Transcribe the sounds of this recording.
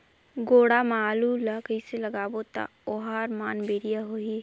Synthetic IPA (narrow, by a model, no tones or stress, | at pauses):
ɡoːɽamaːlulakəiseləɡaːbot̪a̰ | oɦaːɾmaːnbeːɾijaɦoi